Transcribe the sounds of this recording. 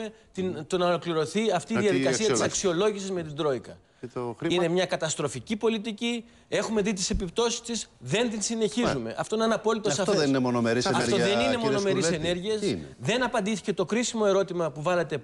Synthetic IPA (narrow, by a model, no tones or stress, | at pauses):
et̪int̪o̞nɐolo̞kliɾo̞θiɐft̪iːsðjɐðikɐsiɐt̪issɐksio̞lo̞ʝisizme̞t̪ind̪ɾo̞ikɐ | inne̞mɲɐkɐt̪ɐst̪ɾo̞ficipo̞lit̪̬ici | e̞xume̞ðit̪̬ise̞pip̚t̪o̞si̥st̪isðe̞nt̪insine̞çizume̞̰ʔɐ̰ft̪o̞inɐnɐpo̞lit̪osɐft̪ðeninemonomeɾisɐtɾoeninemono̞me̞ɾisene̞ɾʝiɐsnðe̞nɐpɐnd̪iθi̥ce̞t̪o̞kɾisimo̞e̞ɾo̞t̪imɐpuvɐlet̪e̞